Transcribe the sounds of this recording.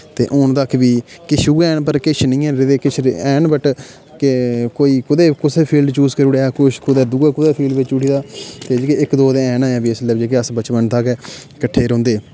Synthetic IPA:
t̪ḛːʔʊnd̪akʰbiːkɪʃʰuːɛːɳpəɾkɪt͡ʃʰnĩːɛ̃ːɾɪd̪eːkɪt͡ʃʰɛːnbəʈ | kekoːiːkʊd̪eːkʊseːpʰiːlɖt͡ʃuːzkəɾuːɽeːaːkʊʃkʊd̪eːd̪uɡaːkʊd̪eːpʰiːlɖʋɪt͡ʃuʈʰiːd̪aːt̪eːd͡ʒkeɪkd̪oːd̪eːɛːnaːãːbiːɪsləːd͡ʒeːk̬eəsbət͡ʃpənt̪aːkɛː | kəʈʰːeːɾõːnd̪eː

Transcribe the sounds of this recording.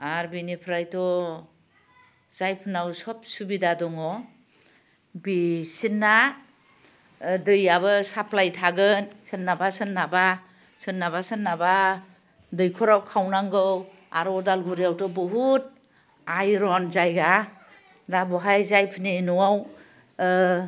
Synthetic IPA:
aɾbinipʰɾajtɔ | z̥ajpʰɯnawsɔp̚subidadɔŋɔ | bisinːa | dɯjaβɯsapʰlajtʰaɡɯnsɯnːabasɯnːaba | sɯnːabasɯnːaba | dɯjkʰɔɾawkʰawnaŋɡɯw | aɾɔdalɡuɾijawtɔbɔɦut̚ | ajɾɔnzajɡa | dabɔɦajzajpʰɯninɔwaw

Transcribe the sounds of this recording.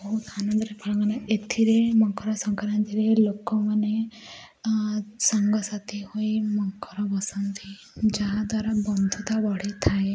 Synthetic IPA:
bɔɦut̪anɔnd̪ɔɾepʰɔɽɔŋɡanaet̪ʰiɾemɔŋkɔɾɔsɔŋkaɾant̪iɾelokɔmane | sɔŋɡɔsat̪ihojmɔŋkɔɾɔbɔsɔnt̪i | d͡ʒaɦad̪waɾabɔnd̪ʱut̪abɔɽ̤it̪ʰae

